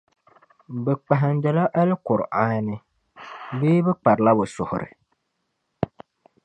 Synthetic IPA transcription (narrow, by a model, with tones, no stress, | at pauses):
bɛ˨k͡pa˨ɦɪ˨ndɛ˨la˦ʔa˦lɪ˦kʊ˨ɾʔaː˦nɨ˦ | beː˦bɛ˦k͡pa˨ɾla˦bʊ˨sʊ˨hʊ̰˨ɾɪ̰˨